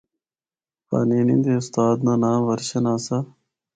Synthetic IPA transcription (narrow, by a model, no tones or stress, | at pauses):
pa̰ːniːnḭnd̪eːʊst̪aːd̪nanaːʋɐɾɕɐnaːsa